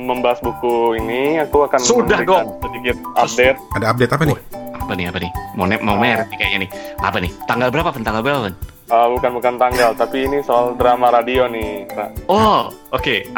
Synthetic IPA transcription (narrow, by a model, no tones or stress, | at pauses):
məmbaɦasbukuiniakuakansudahiɡoasədikɪt̪̚adet̪̚adaːp̚det̪apaɪapanɪɦapanɪhmonɛmawmrtikaɲanɪhʔa̰panɪht̪aŋɡalbəɾapapant̪aŋɡalbəɾapapan | əbukanbukant̪aŋɡalt̪apiːnisoaldəɾamaɾadionɪpa̰ɔʔoke